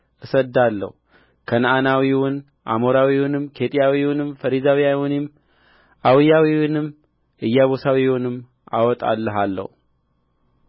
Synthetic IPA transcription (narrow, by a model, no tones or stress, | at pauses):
ʔɨsəd̪ːalːə̰hu | kʰənʔanawiwʊn | ʔa̰moɾawiwʊnɨmkʰe̞t̪ʼijawiwʊnɨmfəɾizawjawunem | ʔawɨjawiwʊnɨm | ʔɨjːaβosawiwʊnɨmː | ʔa̰wɔt̪ʼa̰lːəɦalːə̰hu